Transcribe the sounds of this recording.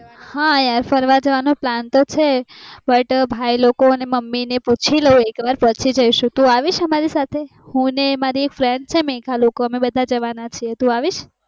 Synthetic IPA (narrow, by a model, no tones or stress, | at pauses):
hãjaɾfəɾʋad͡ʒəʋanoplant̪ot͡ʃʰebəʈbʱailokoəneməmːineput͡ʃʰiləũekʋaɾpət͡ʃʰid͡ʒəiʃũt̪ũaʋiʃəmaɾisat̪ʰe | hũnemaɾiekfɾeɳɖ̚t͡ʃʰemẽkʰalokoəmebəd̪ʱad͡ʒəʋanat͡ʃʰiet̪ũaʋiʃ